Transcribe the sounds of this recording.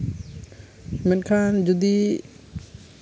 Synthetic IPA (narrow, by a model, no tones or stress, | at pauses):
mɪnkʰaːnd͡ʒʊd̪iː